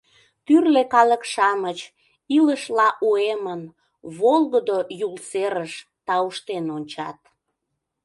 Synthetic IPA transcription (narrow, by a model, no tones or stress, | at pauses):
t̪yrlekɑləkʃɑmət͡ɕ | iləʃlɑʔuemən | βolɣəd̪ojulseɾəʃ | t̪ɑuʃt̪enonʲt͡ɕɑ̰t̪̚